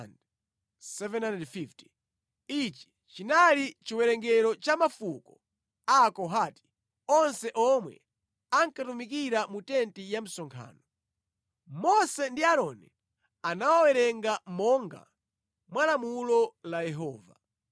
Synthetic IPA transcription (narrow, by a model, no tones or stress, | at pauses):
nd | sɛvɛnandɛdfifti̥ | it͡ʃi̥ | t͡ʃinalit͡ʃiwɛɾɛŋɡɛɾɔt͡ʃamafukɔ | aːkɔɦaːti̥ | ɔnsɛʔɔmwɛ̰ | aŋkatumikiɾamutɛntijam̩sɔŋkʰa̰ːnɔ | mɔsɛndiaɾɔnɛ | anawawɛɾɛŋɡamɔŋɡa̰ | mwalamulɔlajɛɦɔːva̰